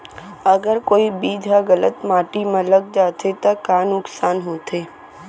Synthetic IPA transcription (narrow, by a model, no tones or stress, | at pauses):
ɐɡəɾkoːibiːd͡ʒʱaɣələt̪maːʈimãləɡ̚d͡ʒaːt̪ʰet̪ɐkaːnʊksaːnɦoːt̪ʰeː